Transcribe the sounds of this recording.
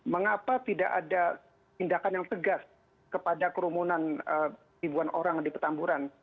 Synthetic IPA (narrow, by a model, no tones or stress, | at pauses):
məŋapat̪idaʔada | t̪indakanjaŋt̪əɡas | kəpadakəɾumunanə | ibuanʔoɾaŋdipət̪ambuɾan